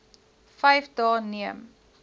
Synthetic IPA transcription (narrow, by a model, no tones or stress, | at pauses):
fɛjfdɑːniəm